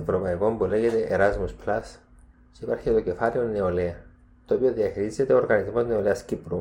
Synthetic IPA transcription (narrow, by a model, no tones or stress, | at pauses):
evɾo̞pɐiko̞mpule̞ɣe̞t̪e̞ʔeɾɐzmusplɐs | ceipɐɾçit̪o̞ce̞fɐleo̞neo̞leɐ | t̪oːpio̞ðiɐxiɾize̞t̪e̞oɾɣɐnizmo̞zneoleɐscipɾu